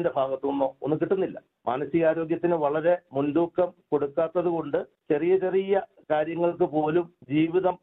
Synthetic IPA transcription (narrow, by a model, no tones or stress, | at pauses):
nde̞bʱaːɡɐt̪ːonːoːo̰nːukiʈːunːilːɐ̰ | mʔa̰ːnɐsiɣaːɾo̞ːɡjɐt̪ːinɨʋɐɭɐɾe̞mund̪uːkːɐmko̞ɽukːaːt̪ːɐðuko̞ɳɖɨt͡ɕerijɐt͡ɕerijɐ | kaːɾjɐŋːɐɭkɨpo̞ːlumd͡ʑiːʋiðɐm